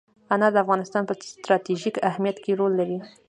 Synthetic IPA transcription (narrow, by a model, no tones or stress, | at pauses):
anɑd̪əafɣɑnɪst̪ɑnpəst̪ɾɑt̪iʒikahmijat̪keɾolːaɾi